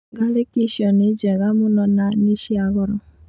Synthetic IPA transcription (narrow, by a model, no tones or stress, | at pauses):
ɡalekiʃɔned͡ʒɛɣamunɔnaniʃiaɣɔɾɔ